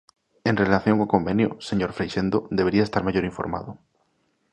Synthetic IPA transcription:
enrelaθjo̞ŋoko̞mbẽnjo̰seɲoɾfɾejʃẽnd̪od̪ee̞ɾiaest̪aɾmaʝoɾiɱfo̰ɾma̰ðo

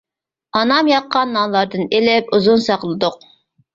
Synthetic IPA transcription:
ɑnɑmjɑqːɑnːɑlˠɑɾd̪ɨnelɪp̚uzunsɑqlˠɨd̪ʊq

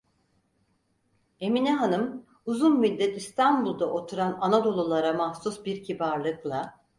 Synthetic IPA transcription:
e̞minɛɦanɯm | uzunmilʲːɛt̪ist̪ʰanbulˠd̪aʔo̞t̪ʰuɾananad̪o̞lˠulˠaɾamahsusbiɾcʰibaɾlˠɯklˠa

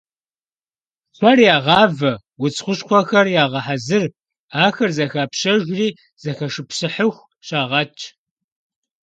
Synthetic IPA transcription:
ɕʷʰɐrjaːʁɑːvɐ | wʊt͡sʰʼχʷʊɕχʷɔxɐrjaːʁɐħazɨr | aːxɐrzɐxaːpɕɐʒʷriː | z̥ɐxɐʂɨpɕɨħəxʷ | ɕaːʁɐt͡ʃʰʼ

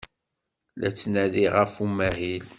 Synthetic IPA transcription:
læ̰t͡sːnæðiʁəfumæɦil

